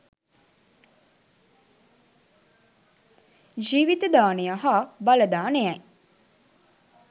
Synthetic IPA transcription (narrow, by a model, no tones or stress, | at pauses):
d͡ʒiːʋit̪əd̪aːnejaɦaːbaləd̪aːnejɛj